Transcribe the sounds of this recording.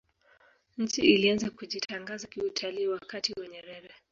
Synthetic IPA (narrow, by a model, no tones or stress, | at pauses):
ɲ̩t͡ʃiilianzakuʄitʰaŋɡazakiutʰaliːwakatiwaɲɛɾɛɾɛ